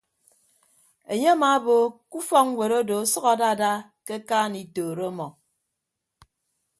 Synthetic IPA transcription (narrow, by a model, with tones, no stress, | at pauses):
e˨ɲe˦a˦maː˨˦bo˨ku˦fɔ˦kŋ˦wʷe˨ɾo˦do˨a˦sɔ˦ɣa˨da˦˨da˦ | ke˦kaː˦ni˨toː˨ɾo˦mɔ˨